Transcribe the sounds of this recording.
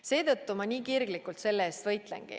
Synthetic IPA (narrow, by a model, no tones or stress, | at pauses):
se̞ːt̪ɤt̪ːumɑniːkirɡlikult̪se̞lːeeːst̪vɤjt̪lḛŋɡ̥ḭ